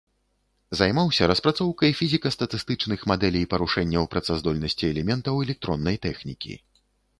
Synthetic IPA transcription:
zajmawsʲɐɾɐspɾat̪sɔwkɐjfʲizʲikɐst̪ɐt̪ɨst̪ɨt͡ʂnɨxmad̪ɛlʲijpɐɾuʂɛnʲːɐwpɾɐt̪sazd̪ɔlʲnɐsʲt͡sʲiɛlʲɛmʲɛnt̪ɐwɛlʲɛk̚t̪ɾɔnːɐjt̪ɛxnʲikʲḭ

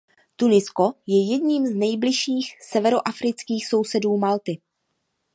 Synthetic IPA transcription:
t̪unɪsko̞jɛjɛdɲiːmznɛjblɪʃiːxsɛvɛɾo̞ʔafɾɪt͡skiːxso̞wsɛduːmalt̪ɪ

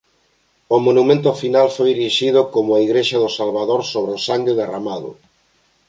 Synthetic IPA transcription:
ʊmonumẽnt̪̬ʊfinalfojiɾiʃiðʊkomʊaiɣɾeʃɐðʊsalβaðoɾsoβɾeosaŋɡɪðeramaðʊ̰

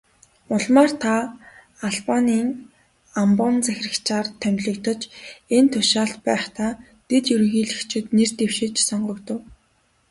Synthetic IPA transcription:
ʊɮmaːr̥t̪ʰa | aɮpaniːŋ | ampɔnt͡sæxʲrə̆kt͡ɕaːrt̪ʰœmʲɮɘ̆kt̪ə̆t͡ɕent̪ʰʊʃaːɬt̪pæːχt̪aː | t̪et̪jɵɾɵ̆ŋɣiːɮɘ̆kt͡ɕʰɪ̆t̪nert̪ewʃɪ̆t͡ɕsɔɴɢɞ̆kt̪ə̆w

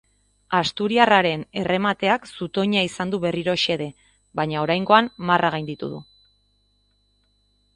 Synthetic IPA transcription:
ast̪uɾiaraɾe̞ne̞re̞mat̪e̞aksut̪o̞ɲaisand̪uβe̞riɾo̞ʃe̞ðe̞ | βaɲao̞ɾajŋɡo̞anmarʔaɣajnd̪it̪ṵðṵ

